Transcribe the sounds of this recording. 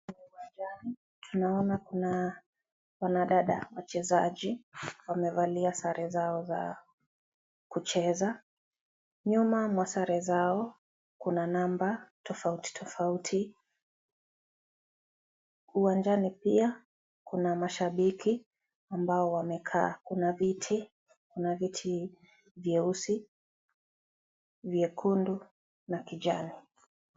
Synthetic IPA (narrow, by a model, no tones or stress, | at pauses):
uwand͡ʒani | tʰunaɔnakuna | wanaɗaɗa̰wat͡ʃɛzaʄiwamɛvaliasaɾʔɛzaɔza̰ | kut͡ʃɛza | ɲumamwasaɾɛzaɔ | kunanambatʰɔfauti̥tʰɔfautʰi | uwand͡ʒanipia | kunamaʃaɓiki | ambaɔwamɛkʰakunavitʰi | kunavitʰi | vjɛusi | vjɛkʰundu | nakid͡ʒani